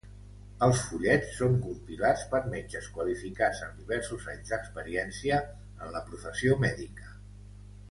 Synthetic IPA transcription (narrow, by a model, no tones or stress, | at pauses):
əlˠsfuʎɛt͡sːoŋkumpilat͡spəɾmed͡ʒəskwəlifikazənd̪iβɛɾsuzaɲzd̪əkspəɾiɛnsiəː | nləpɾufəsiomɛðikə